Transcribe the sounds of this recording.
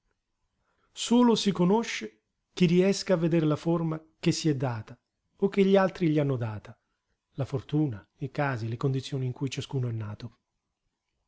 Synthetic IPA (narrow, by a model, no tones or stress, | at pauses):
soːlosikonoʃːe | k̟iriɛskaːvːed̪eɾlaforma | k̟esːiɛd̪ːaːt̪a | ok̟ːeʎːialt̪ɾiʎianːod̪aːt̪a | lafort̪uːnaikaːzilekond̪it̪sːjoːniːŋkujt͡ʃaskuːnoɛnːaːt̪o